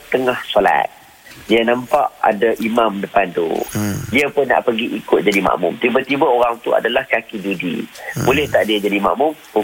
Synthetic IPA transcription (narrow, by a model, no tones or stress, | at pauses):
t̪əŋahsola̰t̪̚ | diənãmpa̰ʔa̰daʔimãmdəpant̪ṵdiəpʊnːa̰ʔpəɡiʔikʊt̪̚d͡ʒadimã̰ʔmʊ̰mt̪ibət̪ibaoɾaŋt̪ua̰dalahkakidudḭbolɛht̪aʔdiəd͡ʒadimã̰ʔmʊmpə